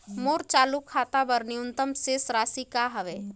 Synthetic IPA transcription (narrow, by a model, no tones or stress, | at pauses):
moːɾt͡ʃaːlukʰaːt̪abɐɾniʊnt̪əmseːsɾaːsikaɦɐʋeː